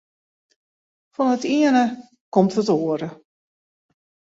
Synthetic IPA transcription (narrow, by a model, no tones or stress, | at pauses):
fɔnətiənə | kɔmtɦətoəɾə